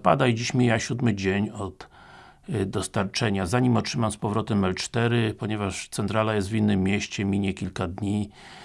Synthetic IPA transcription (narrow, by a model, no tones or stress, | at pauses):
pa̰d̪ajid͡ʑiɕmʲijaɕud̪mɘd͡ʑeɲɔt̪ | d̪ɔst̪aɾt͡ʂɛɲazaɲimɔtʂɘmamspɔvɾɔt̪ɛmɛlt͡ʂt̪ɛɾɘpɔɲɛvaʂt̪sɛnt̪ɾalajɛst̪vʲinːɘmʲːjɛɕt͡ɕɛmʲiɲɛkʲilkad̪ɲi